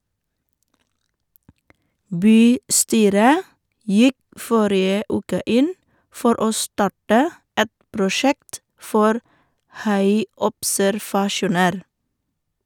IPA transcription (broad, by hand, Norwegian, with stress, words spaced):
ˈbyːˌstyːɾə ˈjɪk ˈfɔɾɪə ˈʔʉːkə ˈʔɪn ˈfɔɾ ˈoː ˈstɑʈə ˈɛt pɾʊˈʃɛkt ˈfɔɾ ˈhɑɪɔpsæɾʋɑˌʃuːnəɾ